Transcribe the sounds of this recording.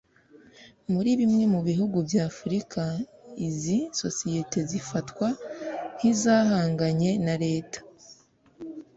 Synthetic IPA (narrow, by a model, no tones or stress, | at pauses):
muɾiβimŋe̞muβiɦuɡuvjaːfuɾikʰaiziso̞sijete̞zifatwahizaːhaːŋɡaɲe̞naɾe̞ːtḁ